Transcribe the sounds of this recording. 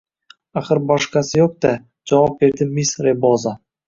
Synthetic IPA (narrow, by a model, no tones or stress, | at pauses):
aχəɾbɑʃqɑsɪjoq̚d̪ɑ | d͡ʒɑvɑp̚be̞ɾd̪ɪmisɾeboza